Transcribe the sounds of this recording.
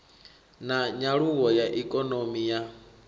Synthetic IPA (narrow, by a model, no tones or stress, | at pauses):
naɲaɺuwɔjaʔikʼɔnomija